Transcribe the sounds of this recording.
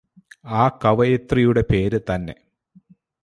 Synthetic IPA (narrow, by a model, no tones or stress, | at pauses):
aːkɐʋɐjet̪rijuɽe̞pe̞ːɾɨt̪ɐnːe̞̰